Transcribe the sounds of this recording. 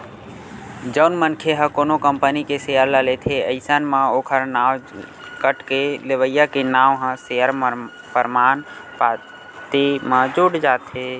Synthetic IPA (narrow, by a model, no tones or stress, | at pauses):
d͡ʒəʊnmənkʰeɦə̃koːnokəmpənikesejəɾləlet̪ʰeəɪsənmãoːkʰəɾnaːw | kəʈkeleʋəjːakenaːwɦə̃seəɾ | pəɾmaːnpa | t̪emãd͡ʒuɽd͡ʒaːt̪ɦe